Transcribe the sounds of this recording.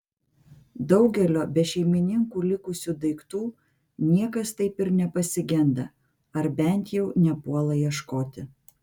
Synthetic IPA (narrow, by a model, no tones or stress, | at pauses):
d̪ɒʊɡʲɛlʲoːbʲɛʃʲɛɪmʲɪnʲɪŋkuːlʲɪkʊsʲuːd̪ɐɪkt̪uː | nʲiɛkɐst̪ɐɪpɪɾnʲɛpɐsʲɪɡʲɛnd̪ɐ | ɐɾbʲɛnʲt̪ʲjɛʊnʲɛpuɔlˠɐjiɛʃkoːt̪ʲɪ